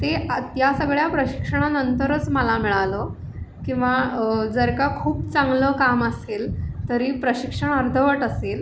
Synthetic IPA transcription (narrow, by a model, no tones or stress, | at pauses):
t̪et̪jasəɡɭjapɾəɕi̥kʂəɳ̃anənt̪əɾət͡sməlamiɭalə | kĩw̃ʋad͡zəɾkakʰuːpt͡sãŋɡləkaməselt̪əɾiːpɾəɕikʂəɳ̃əɾd̪ʱəʋəʈasel